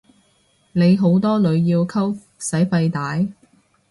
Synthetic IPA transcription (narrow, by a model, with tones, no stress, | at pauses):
ne˨˧jɦo˨˥wt̪ɔː˥lɵ˨˧ɥjiː˧wkʰɐ˥w | sɐ˨˥jfɐ˧jt̪aː˨˥j